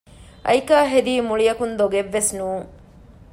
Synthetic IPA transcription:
ʔɐ̰jkaːɦed̪iːmuɭijɐkund̪oɡeʋːesnuːŋ

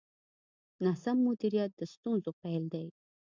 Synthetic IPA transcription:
nasamːʊd̪iɾijat̪̚d̪əst̪unzopajld̪aj

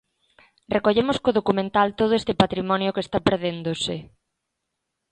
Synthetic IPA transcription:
rekoʎemʊskoð̞okumẽnt̪alt̪oð̞oest̪ɪpat̪ɾimɔnjokest̪apeɾðend̪osɪ

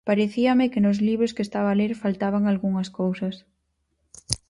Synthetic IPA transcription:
paɾeθiɐmɪkɪnʊzliβɾʊskest̪aβaːleɾfalt̪aβaŋalɣuŋɐskowsɐs

